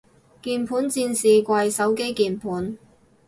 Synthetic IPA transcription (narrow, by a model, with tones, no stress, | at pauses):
kiː˧npʰuː˨˥nt͡siː˧nsiː˨kʷɐ˧jsɐ˨˥wke˥jkiː˨˩npʰuː˨˥n